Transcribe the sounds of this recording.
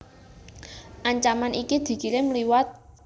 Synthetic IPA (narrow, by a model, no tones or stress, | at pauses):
ʔaɲt͡ʃamanikid̪̥i̤kiɾɪmliwat̪̚